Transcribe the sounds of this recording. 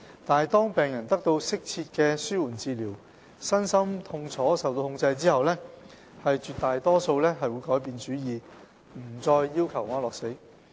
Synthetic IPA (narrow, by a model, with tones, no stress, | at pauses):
t̪aː˨jt̪ɔː˥ŋpɛː˨˩ŋjɐ˨˩nt̪ɐ˥k̚t̪o˧wsɪ˥k̚t͡sʰiː˧t̚kɛː˧syː˥wuː˨˩nt͡siː˨˧liː˨˩w | sɐ˥nsɐ˥mt̪ʰʊ˧ŋt͡sʰɔː˨˥sɐ˨wt̪o˧whʊ˧ŋt͡sɐ˧jt͡siː˥hɐ˨wlɛː˥ | hɐ˨jt͡ʃyː˨t̪aː˨jt̪ɔː˥so˧wlɛː˥ɦɐ˨jwu˨˧jkɔː˨˥jpiː˨nt͡ʃyː˨˥jiː˨ | m̩˨˩t͡sɔː˧jːiː˥wkʰɐ˨˩wŋaː˨˥lɔː˨k̚se˨˥j